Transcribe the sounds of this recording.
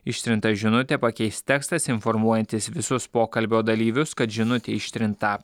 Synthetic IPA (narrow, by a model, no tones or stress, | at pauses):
ɪʃʲt̪ʲɾʲɪnt̪ɐʒʲɪnʊt̪ʲepɐkʲɛɪst̪tʲɛːkst̪ɐsɪnfɔɾmuɔjɛnʲt̪ʲɪsʋʲɪsʊspoːkɐlʲbʲoːd̪ɐlʲiːʋʲʊskɐt̪ʒʲɪnʊt̪ʲeːɪʃʲt̪ʲɾʲɪnt̪ɐ